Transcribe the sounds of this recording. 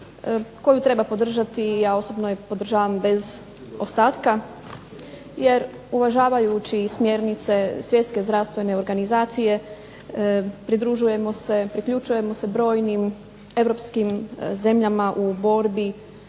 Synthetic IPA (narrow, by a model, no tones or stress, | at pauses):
ko̞jut̪ɾe̞bapo̞d̪r̩ʒat̪ijao̞sobnojepo̞d̪ɾ̩ʒaːʋambe̞z | ost̪aːt̪ka | je̞ɾ | uʋaʒaːʋajut͡ɕismje̞ɾnit̪se̞sʋje̞t̪ske̞zd̪ɾaʋst̪ʋene̞o̞ɾɡanizaːt̪sije̞ | pɾid̪ɾuʒuje̞mo̞se̞pɾikʎut͡ʃuje̞mo̞se̞bɾo̞ːjnim | e̞ʋɾo̞pskimze̞mʎamaʔubo̞ɾbi